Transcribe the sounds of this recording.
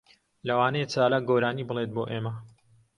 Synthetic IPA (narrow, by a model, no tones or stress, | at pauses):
lɐwaːnɐjet͡saːlaːɡoːɾaːniːbɨlet̪̚boːʔeːmɐ